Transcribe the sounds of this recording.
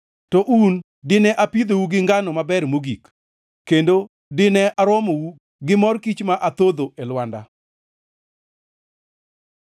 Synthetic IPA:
tɔʔun | dɪnɛʔapid̪owuɡɪŋɡanɔmabɛɾmoɡik | kːendo | dɪnɛʔaɾɔmowu | ɡɪmɔrkit͡ʃmaʔat̪od̪oʔelwanda̰

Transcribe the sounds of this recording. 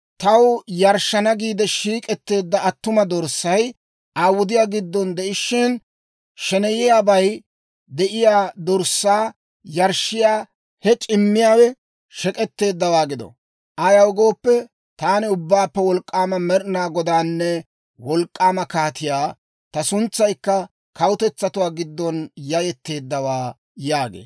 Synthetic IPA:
t̪ɐwjɐɾʃːɐnɐɡiːd̪ɛʃiːkʼɛt̪ːe̞ːd̪ːɐɐt̪ːʊmɐd̪ɔɾsːɐj | aːwʊd̪ɪjaːɡɪd̪ːɔnd̪ɛɪʃːɪn | ʃɛnɛjɪjaːbɐj | d̪ɛʔɪjaːd̪ɔɾsːaː | jɐɾʃːɪjaː | hɛt͡ʃʼɪmːɪjaːwɛ | ʃɛkʼɛt̪ːe̞ːd̪ːɐwaːɡɪd̪ɔ̰ | ʔɐjɐwɡo̞ːpːɛ | t̪aːnɪʊbːaːpːɛwɔlkʼːaːmɐmɛɾnaːɡɔd̪aːnːɛ | wɔlkʼːaːmɐkaːt̪ɪjaː | t̪ɐsʊnt͡sːɐjkːɐ | kɐwʊt̪ɛt͡sːɐt̪ʊwaːɡɪd̪ːɔnjɐjɛt̪ːe̞ːd̪ːɐwaː | jaːɡḛː

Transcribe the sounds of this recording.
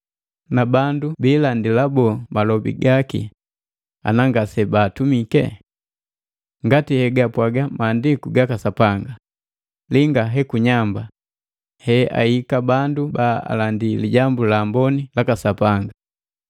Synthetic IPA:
nabandubilandilabɔmalɔbḭɡakḭ | a̰naŋɡasɛbaːtumikɛ̰ | ŋɡatihɛɡapwaɡamaːndikuɡakasapaŋɡa | liŋɡaɦɛkuɲamba | hɛa̰ikabandubaa̰landiliɟambulaːmbɔnilakasapaŋɡa

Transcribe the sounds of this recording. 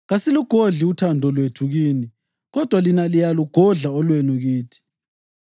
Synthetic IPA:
ɣasiluɡ̥ʱoɮiutʰandʱɔlwetʰuɣiːni | ɣɔd̥ʱwalinalijaluɡ̥ʱɔɮaɔlwenuɣiːtʰi̥

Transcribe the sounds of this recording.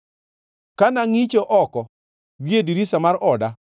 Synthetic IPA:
kanaŋit͡ʃɔʔɔkɔ | ɡjediɾisamaɾɔda

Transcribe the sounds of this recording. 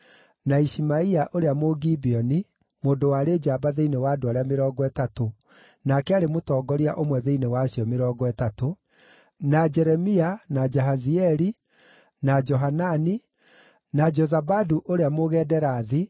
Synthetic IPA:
naiʃimaiaʔoɾeamoɡibiɔni | moːndowaɾed͡ʒaːbaðeinewaːdoaɾeameɾɔːɡɔɛtato | nakɛaɾemotɔːɡɔɾiaʔomwɛðeinewaɕiɔmeɾɔːɡɔɛtato | nad͡ʒɛɾɛmianad͡ʒɛɦaziɛɾi | nad͡ʒɔɦanani | nad͡ʒɔzabaduʔoɾeamoɣɛːdɛɾaːði

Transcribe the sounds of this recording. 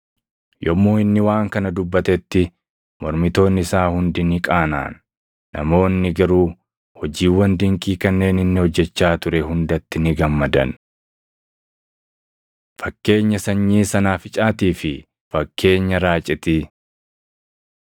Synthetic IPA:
jɔmːoːɪnːɪwaːŋkɐnɐd̪ʊbːɐt̪ɛt̪ːɪ | mɔɾmɪt̪o̞ːnːɪsaːhʊnd̪ɪnɪkʼaːna̰ːnː | ɐ̰mo̞ːnːɪɡɐɾuː | hɔd͡ʒiːwːɐnd̪ɪŋkʼiːkɐnːe̞ːnɪnːɪhɔd͡ʒːɛt͡ʃːaːt̪ʊɾɛɦʊnd̪ɐt̪ːɪnɪɡɐmːɐd̪ɐ̰n | fɐkːe̞ːɲːɐsɐɲːiːsɐnaːfɪt͡ʃʼaːt̪iːfɪ | fɐkːe̞ːɲːɐɾaːt͡ʃʼɪt̪i

